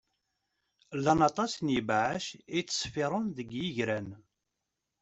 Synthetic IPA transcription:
lːɑnɑt̪ˤɑsnjəbʕaʃit͡sːə̥sˤfɪɾˤʊnðəɡjiʝɾæn

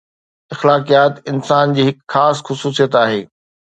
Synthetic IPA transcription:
ɐxlaːqijaːt̪ɪnsaːnd͡ʑiːɦɪkxaːsxʊsuːsijət̪aːɦeː

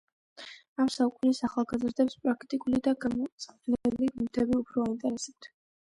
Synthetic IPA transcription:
amsaukʼunisaχalˠɡazɾd̪ɛpspʼɾakʰt̪ʼikʼulid̪aɡamɔt̪sʼvlɛɛliɡmut̪ʰɛbiupʰɾɔaint̪ʼɛɾɛsɛp̚t̪ʰ

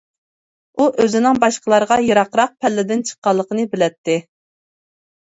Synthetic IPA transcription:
uʔøzɪnɪŋbɑʃqəlˠɑɾʁɑjɑɾɑqɾɑq̚pʰɛlːɪd̪ɪnt͡ʃʰə̥qːɑlˠːəqənɨbɪlɛt̪ʰːɪ

